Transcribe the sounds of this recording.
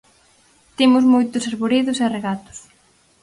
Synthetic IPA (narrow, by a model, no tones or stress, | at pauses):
t̪imʊzmojt̪ʊsaɾβoɾiðʊsereɣat̪ʊ̥s